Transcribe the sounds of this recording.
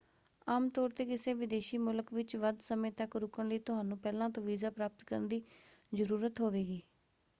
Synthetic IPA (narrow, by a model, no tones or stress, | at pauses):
aːmt̪ɔːɾt̪eːkɪseːʋɪd̪eːʃiːmʊləkʋɪt͡ʃʋəd̪səmẽːt̪əkɾʊkənləiːt̪ʊɦaːnũːpɛːlãːt̪õːʋiːzaːpɾaːpət̪kəɾənd̪iːzəɾuːɾət̪ɦoːʋeːɡiː